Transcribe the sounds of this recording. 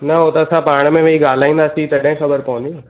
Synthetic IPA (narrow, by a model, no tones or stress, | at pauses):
nɐɦot̪ɐɐsãpaːɽ̃mẽʋeiɡaːl̤aːĩːnd̪aːsit̪ɐɗɦɪ̃xɐbəɾpɐʋə̃nd̪iː